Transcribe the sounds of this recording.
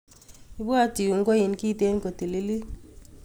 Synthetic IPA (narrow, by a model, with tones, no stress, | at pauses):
i˦bwa˦ti˨u˨ŋ˦ɡo˦i˨nkiː˦te˦nko˨ti˨li˦li˦